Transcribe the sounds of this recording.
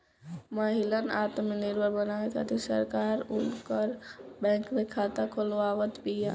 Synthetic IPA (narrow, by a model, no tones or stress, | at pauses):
mɐɦɪlənʔaːt̪mẽnɪɾbʱəɾbɐnaːʋekʰa̰ːt̪esɐ̰ɾkaːɾʊnkəɾbɛ̃ːŋkd̪ekʰaːt̪akʰolʋaːʋət̪biaː